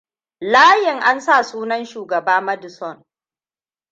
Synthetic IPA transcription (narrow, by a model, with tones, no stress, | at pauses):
laː˦jɪ˨ŋʔa˦nsa˦˨suː˦nɐ˦nʃuː˨ɡɐ˨baː˦mɐ˦dʊ˨sɔ˦˨n